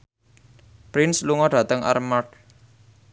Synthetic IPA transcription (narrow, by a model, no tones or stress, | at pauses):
pɾɪnsluŋɔɖ̥ä̤t̪əŋʔa̰rmaʈ